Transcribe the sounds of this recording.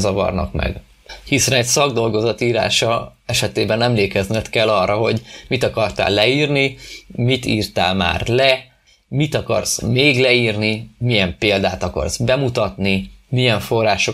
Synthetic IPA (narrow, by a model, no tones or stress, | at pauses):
zɒvɒ̰rnɒ̰kmɛ̰ɡ | hisɛnɛcsɒɡd̪o̞lɡo̞zɒt̪iːɾa̰ːʃɒɛʃɛt̪eːbɛnɛmleːkɛznɛt̪kɛlːɒrːɒɦo̞ɟmit̪ɒkɒrt̪a̰ːlːɛiːrnimit̪ḭːrt̪a̰ːlma̰ːrlɛ | mit̪ɒkɒ̰rz̥meːɡlɛiːrnimijɛmpeːld̪aːt̪ɒkɒ̰rz̥bɛmut̪ɒt̪nimijɛɱfo̞rːaːʃo